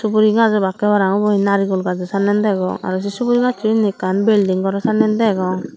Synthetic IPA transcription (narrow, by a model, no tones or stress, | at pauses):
subuɾiɡazɔbakɛbaɾaŋɔbɔhinaɾiɡɔlɡazɔsanɛnd̪ɛɡɔ̰ŋa̰ɾɔs̬isubuɾiɡatʰuinikanbɛldiŋɡɔɾɔsanɛnd̪ɛɡɔŋ